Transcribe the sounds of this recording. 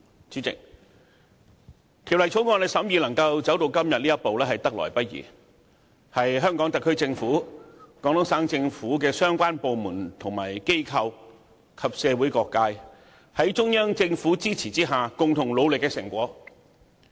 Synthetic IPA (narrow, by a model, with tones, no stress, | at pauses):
t͡siː˨˥t͡sɪ̰˨ŋ̚ | t̪ʰi˨˩wlɐ˨˩jt͡ʃʰo˨˥wŋɔː˧nle˨˧˩sɐ˨˥mjiː˨˧lɐ˨˩ŋkɐ˧wt͡sɐ˨˥wt̪o˧wkɐ˥mjɐ˨t̚liː˥jɐ˥t̚po˨wlɛː˥hɐ˨jt̪ɐ˥k̚lɔ̰ː˨˩jpɐ˥t̚jḭː˨˩ | hɐ˨jɦœː˥ŋkɔː˨˥ŋt̪ɐ˨kʰːɵ˥ɥt͡sɪ˧ŋfuː˨˥kɔ˨˥ŋt̪ʊ˨˥saː˨˥ŋt͡sɪ˧ŋfuː˨˥k̬ɛː˧sœː˥ŋkʷaː˥npo˨wmuː˨˩nt̪ʰʊ˨˩ŋma̰ː˨˩jke˥jkʰɐ˧w | kʰɐ˨p̚sɛː˨˧wu˨˥jkɔː˧kːaː˧j | hɐ˨˥jt͡ʃʊ˥ŋjɐ˥ŋt͡sɪ˧ŋfuː˨˥t͡siː˥t͡sʰiː˨˩t͡siː˥ɦaː˨kʊ˨ŋt̪ʰʊ˨˩ŋlo˨˧wlɪ˨kːɛː˧sɪ˨˩ŋkʷɔː˨˥